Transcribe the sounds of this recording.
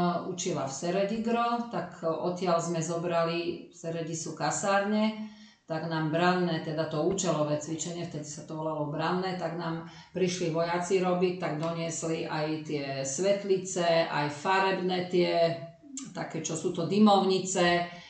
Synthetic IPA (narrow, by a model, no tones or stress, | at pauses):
ut͡ʃila̰fsɛɾɛɟiɡɾɔt̪akɔt̪ɪalzmɛzɔbɾalifsɛɾɛɟisukasaːɾɲɛ | t̪aɡnaːmbɾanːɛt̪ɛd̪at̪ɔuːt͡ʃɛlɔʋɛːt͡sʋit͡ʃɛɲɪɛft̪ɛd̪isat̪ɔʋɔlalɔbɾanːɛt̪aɡnaːm | pɾiʃliʋɔjat͡siɾɔbit̪aɡd̪ɔɲɪɛsliʔajt̪ɪɛsʋɛt̪lit͡sɛʔa̰jfaɾɛbnɛːt̪ɪɛ | t̪akɛːt͡ʃɔsuːt̪ɔd̪imɔʊɲit͡sɛ